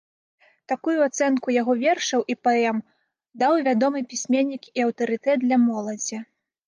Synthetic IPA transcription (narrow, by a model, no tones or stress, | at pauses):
t̪akujuat̪sɛnkujaɣɔvʲɛrʂɐwʔipɛɛm | d̪awvʲad̪ɔmɨpʲisʲmʲenʲːikiɐwt̪ɐɾɨt̪ɛt̪̚d̪lʲɐmɔlˠɐd͡zʲi